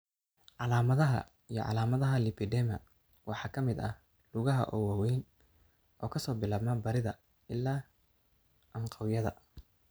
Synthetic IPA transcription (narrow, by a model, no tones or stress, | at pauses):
ʕɑlaːmɐðɐɦɐ̰ | ijɔ̰ʕɑ̰laːmɐðɐɦɐlɪpʰɪd̪ɛmɐ̰ | wʔɑħɑːkʰɐmɪd̪ɐ̰ | lʊɣɐɦɐ̰ʔɔwɑːwɛjn | ʔɔːkʰɐsɔːbɪlaːbmɐbɐɾɪðɐ | ɪlːaː | ʔɐɴqʰɑwjɐðɐ̰